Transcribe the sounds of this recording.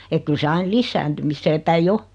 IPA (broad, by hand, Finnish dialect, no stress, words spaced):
ek kyl se ɑin lisːæːntymisːeː pæij o